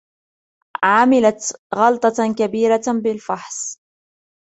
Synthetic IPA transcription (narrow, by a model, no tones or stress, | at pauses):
ʕamɪlat̪ɣɑlt̪ˤɑkabiːɾabɪlfaħs